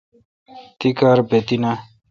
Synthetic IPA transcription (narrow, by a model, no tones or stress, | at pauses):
t̪ikaːɾbet̪ina